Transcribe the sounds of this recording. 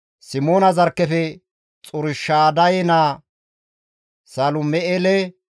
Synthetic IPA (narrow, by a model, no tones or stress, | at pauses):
sɪmoːnɐzɐɾkːɛfɛ | t͡sʼʊɾɪʃːaːd̪ɐjɛnaː | sɐlʊmɛʔelɛ